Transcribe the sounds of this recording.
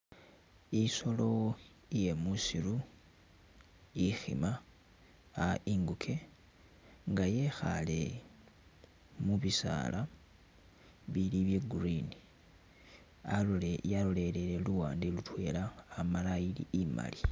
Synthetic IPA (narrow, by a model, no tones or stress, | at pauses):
iso̞lo̞ | ije̞musilu | ixḭma | aʔiŋɡukʰe̞ | ŋɡaje̞xa̰le̞ | muβisa̰la | βiliβjeɡurini | aalole̞leɾe̞luwaːndilutwe̞ːlaːmalailḭʔima̰li